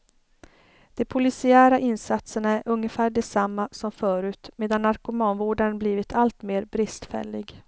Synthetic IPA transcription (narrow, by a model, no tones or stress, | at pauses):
d̪̥ɛpʰʊlɪsɪæːɾaʔɪnsat̪səɳæɾʔɵŋːəfæːɖɛsamːasɔmfœːɾʉ̟ːt̪meːd̪anːaɾkɵmɑːnvoːɖənbliːvɪt̪ʰalt̪meːɾbɾɪst̪fɛ̰lːɪ̰ɡ